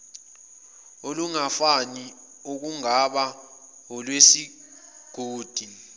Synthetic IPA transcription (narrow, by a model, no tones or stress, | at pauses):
oluŋafani | uk̬uŋaɓa | ɔlwesi | ɡ̥ʱoːd̥ʱi